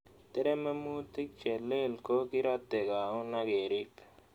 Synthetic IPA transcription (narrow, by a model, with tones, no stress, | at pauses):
t̪e˦ɾe˦me˦muː˦t̪i˦k̚t͡ʃe˨le˦lko˦ki˦ɾat̪ːe˨ɡa˨ũ˦naɡeː˨ɾip